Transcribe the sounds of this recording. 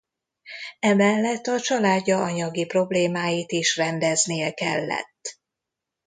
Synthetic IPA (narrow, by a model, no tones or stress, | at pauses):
ɛmɛlːɛt̪ːɒt͡ʃɒlaːɟːɒɒɲɒɡipro̞bleːmaːjit̪iʃrɛnd̪ɛznijɛkɛ̰lːɛ̰t̪ː